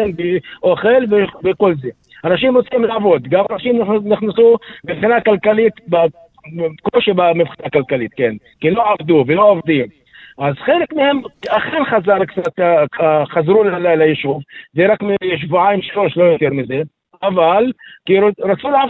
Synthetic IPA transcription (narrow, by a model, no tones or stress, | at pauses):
elveʔoxelvevekolze | hanaʃ̬imɾot͡simlaʕavod̪ɡamanaʃimnɪxnasumɪvχinakalkalit̪ba | koʃibamɪvχinakalkalit̪̚ken | kiloʕavd̪uveloʕavd̪im | ʔazχelekmehemʔaxenχazɑɾˤkt͡sat̪ | χazɾulalajlajeʃuvzeɾˤakmjeʃ̬vuʕajmʃloʃlojot̪eɾmize | ʔavalkiɾɾat͡sulʕa